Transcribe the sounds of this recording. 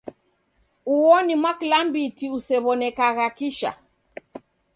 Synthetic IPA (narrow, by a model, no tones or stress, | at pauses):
uɔnimwakilambitiusɛβɔnɛkaɣakiʃa̰